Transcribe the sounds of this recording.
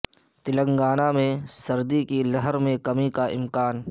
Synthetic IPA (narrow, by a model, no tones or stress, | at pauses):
t̪ɪlə̃ŋɡaːnamẽsɐɾd̪ikilɐɦəɾmẽkɐmikaʔɪ̰mkaːn